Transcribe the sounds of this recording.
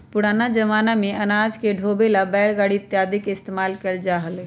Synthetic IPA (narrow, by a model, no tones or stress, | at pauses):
pʊɽaːnad͡ʒəʋaːnamẽɐnaːd͡ʒkeɖʱoːbelabɛːlɡaːɽit̪jaːd̪ɪkɪst̪eːmaːlkəld͡ʒaːɦəl